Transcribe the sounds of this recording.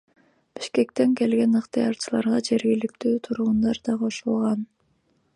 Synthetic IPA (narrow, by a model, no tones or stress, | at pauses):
b̥i̥ʃke̞k̚t̪e̞ŋke̞lɡe̞nɯqt̪ɨjɑɾt͡ʃʰɯlˠɑ̰ɾʁɑd͡ʒe̞ɾɡʲilik̚t̪yːt̪ʰuɾʁʊnd̪ɑɾd̪ɑqʰo̞ʃulˠʁɑn